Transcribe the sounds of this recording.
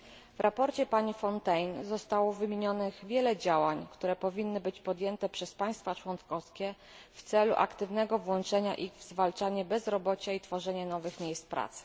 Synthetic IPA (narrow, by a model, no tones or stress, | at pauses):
vɾʔapɔɾt͡ɕɛpaɲifɔnt̪ɛjnzɔst̪awɔvɘmʲeɲɔnɘɣvʲjɛlɛd͡ʑawaɲkt̪uɾɛpɔvʲinːɘbɘt͡ɕpɔd̪jɛnt̪ɛpʂɛspaj̃st̪fat͡ʂwɔnkɔskʲɛ | ft̪sɛlṵʔa̰kt̪ɘvnɛɡɔvwɔnt͡ʂɛɲa̰ʔiɣvzvalt͡ʂaɲɛbɛzɾɔbɔt͡ɕait̪fɔʐɛɲɛnɔvɘxmʲjejspɾa̰t̪sɘ̥